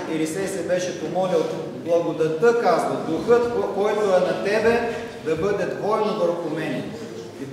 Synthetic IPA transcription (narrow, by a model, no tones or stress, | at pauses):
iɾisɛsɛbɛʃɛpomɔlʲilˠ | blˠɐɡod̪ɐt̪ɤkazvɐd̪uxɤt̪kɔjt̪oɛnɐt̪ɛbɛ | d̪ɐbɤd̪ɛd̪vɔnovəɾxʊmɛnɛ | i